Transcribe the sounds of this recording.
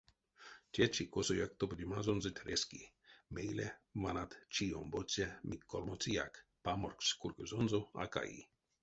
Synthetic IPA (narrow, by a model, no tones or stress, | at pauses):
tʲɛt͡ʃikosojak̚t̪opdʲimazonzɨt̪ʲɾeskḭ | mejlʲemanat̪t͡ʃio̰mbot͡sʲɛmikːolmot͡sija̰kpamorkskurkəzonzoa̰ka̰jḭ